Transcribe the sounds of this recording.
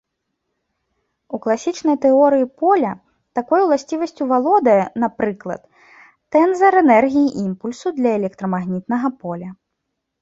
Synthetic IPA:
uklˠasʲit͡ʂnɐjt̪ɛɔɾɨjipɔlʲɐ | t̪akɔjuwlˠasʲt͡sʲivɐsʲt͡sʲuvalˠɔd̪ɐjɛnapɾɨklˠɐ̰t̪ː | ɛnzɐɾɛnɛrɣʲijiʔimpulʲsud̪lʲɐɛlʲɛk̚t̪ɾɐmaɣnʲit̪nɐɣɐpɔlʲɐ

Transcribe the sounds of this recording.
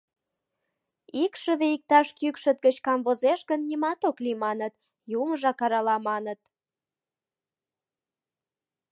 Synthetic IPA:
ikʃə̆βeik̚t̪ɑʃkykʃə̆t̪̚ɡət͡ɕkɑmvozeʃɣənːimɑt̪oklimɑnət̪ | juməʒɑkɑɾɑlɑmɑnət̪

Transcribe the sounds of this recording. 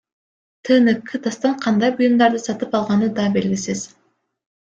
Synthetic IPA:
t̪ʰɯːnɯkʰːɯt̪ɑst̪ɑɴqʰɑnd̪ɑjbʊjumd̪ɑɾd̪ɯsɑt̪ɯpɑlˠʁɑnɯd̪ɑbe̞lɡʲisiz̥

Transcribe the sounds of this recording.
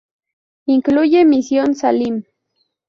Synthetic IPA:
iŋklʊjemisjonsalim

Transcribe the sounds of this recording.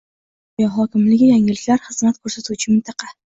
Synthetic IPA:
jaɦɒkʲɪmlɪɡʲɪjaŋɪlɪkʲlaɾχɨz̥mat̪kʰɵɾsat̪ʰut͡ʃʰɪmɪnt̪ʰɑqʰɑ

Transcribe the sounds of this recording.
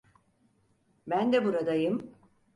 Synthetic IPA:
bænd̪ɛbuɾad̪ajɯm

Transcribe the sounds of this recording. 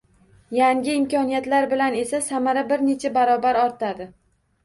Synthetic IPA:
jaŋɡʲɪɪmkʲɒnijat̪laɾbɪlane̞sasamaɾabɪɾne̞t͡ʃʰabaɾɒbaɾɒɾt̪ʰad̪ɪ

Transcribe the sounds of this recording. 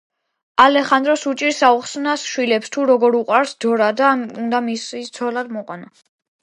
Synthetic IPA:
alɛχand̪ɾɔsut͡ʃʼiɾsauχsnasʃwilɛpst̪ʰuɾɔɡɔɾuqʼwaɾsd̪ɔɾad̪aund̪amisit̪sʰɔlad̪mɔqʼwana

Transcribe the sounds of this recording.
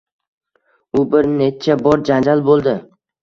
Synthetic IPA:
ʊbɪɾne̞t͡ʃʰabɒɾd͡ʒand͡ʒalbolˠd̪ɪ

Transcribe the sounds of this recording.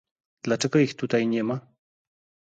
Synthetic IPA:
d̪̥lat͡ʂɛɡɔixt̪ut̪ajɲɛma

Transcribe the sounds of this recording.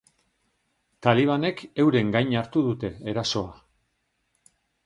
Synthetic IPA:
t̪aliβ̞ane̞ke̞wɾe̞ŋɡajɲaɾt̪uðut̪e̞ːɾaso̞a

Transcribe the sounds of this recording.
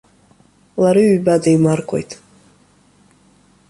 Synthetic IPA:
laɾiɥbadaimarkʷʰʼo̞̰jtʼ

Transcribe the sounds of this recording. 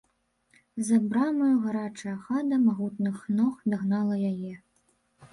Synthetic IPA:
zɐbɾamɐjuɣaɾat͡ʂɐjɐxad̪ɐmaɣut̪nɨxnɔxd̪aɣnalˠɐjajɛ

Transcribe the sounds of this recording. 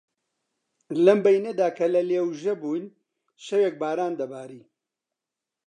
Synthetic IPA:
lɐmbɐjnɐd̪aːkʰɐlɐleːwʒɐbuːn | ʃɐweːk̚baːɾaːnd̪ɐbaːɾiː

